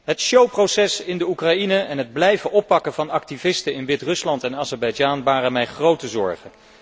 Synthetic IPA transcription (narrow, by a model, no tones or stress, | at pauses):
ɦətʃowprowsɛsɪndəukrɑinəɛnɦəd̚blɛjvəʔɔpːɑkəvɑnɑk̚tivɪstəɪnʋɪtrɵslɑntɛnaːzɛɹbɑjd͡ʒaːnʋaːrənmɛjχrowtəzɔɹχən